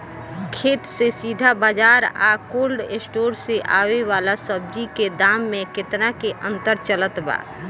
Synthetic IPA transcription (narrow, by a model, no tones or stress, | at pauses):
kʰeːt̪sesiːd̪ʱabaːd͡ʒaːɾa̰ːkoːlɖɪsʈoːɾseʔa̰ːweʋaːlasəb̚d͡ʒiked̪aːmːẽkɪt̪nakeʔə̃nt̪əɾt͡ʃələt̪ba̰ː